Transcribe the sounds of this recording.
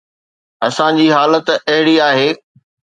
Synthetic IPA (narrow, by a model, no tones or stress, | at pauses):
ɐsãd͡ʑiːɦaːlət̪ɐɦɪɽiaːɦeː